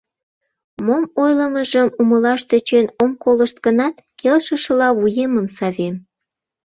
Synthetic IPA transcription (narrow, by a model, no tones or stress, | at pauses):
momojləməʒəmuməlɑʃt̪e̽t͡ɕenomkoləʃt̪ɡənɑt̪kelʃəʃəlɑβujeməmsɑβem